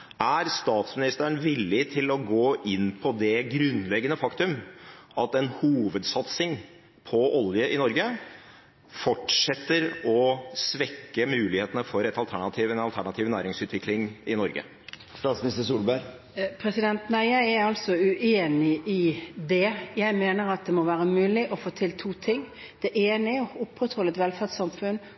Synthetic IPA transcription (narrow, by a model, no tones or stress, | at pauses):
æɾst̪ɑːt̪smɪnɪst̪əəɳʋɪlːɪt̪ʰɪlɔɡoːʔɪnpʰɔd̪ɛɡɾʉnlɛɡːənəfɑkt̪ʉmʔɑt̪ɛnhuːʋəd̪sɑt̪sɪŋ | pʰɔʔɔljəʔɪnɔɾɡə | fɔʈʂɛt̪ːəɾɔsʋɛkːəmʉːlɪheːt̪ənəfɔɾɛt̪ɑlt̪ʰæɳɑt̪ʰiːʋɛnɑlt̪ʰæɳɑt̪ʰiːʋnæ̰ːɾɪŋsʉːt̪ʰʋɪklɪŋɪnɔɾɡə̰ | st̪ɑːt̪smnɪst̪əsuːlbæɾ | pʰɾɛsɪd̪ɛnt̪næɪjæɪɛɾɑlsɔʉʔeːnɪʔɪd̪ɛjæɪmeːnəɾɑt̪̚d̪ɛmɔʋæːɾəmʉːlɪʔɔfoːt̪ʰɪlt̪ʰuːt̪ʰɪŋː | d̪̥ɛʔeːnɪɔʊpːɾət̪hɔlːət̪ʋɛlfæʈsɑmfʉn